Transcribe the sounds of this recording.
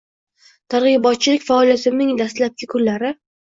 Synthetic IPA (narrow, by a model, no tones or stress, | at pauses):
t̪ʰaɾʁɨbɒt̪̚t͡ʃʰɪlɪkʲfaɒlijat̪ʰɪmnɪŋd̪ast̪lap̚kʲɪkʰʊllaɾɪ